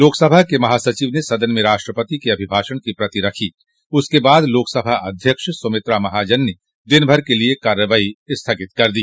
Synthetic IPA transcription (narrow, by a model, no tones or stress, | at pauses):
loːksɐbʱakemɐɦaːsɐt͡ʃiʋnesɐd̪ənmẽɾaːʃʈɾəpət̪ikeɐbʱɪbʱaːʃəɽ̃kipɾɐt̪iɾɐkʰi | ʊskebaːd̪loːksɐbʱaʔɐd̪ʱjəkʃsomɪt̪ɾamɐɦad͡ʒənːe | d̪ɪnbʱɐɾkeliekaːɾjəʋaːiɪst̪ʰaɡɪt̪kɐɾd̪iː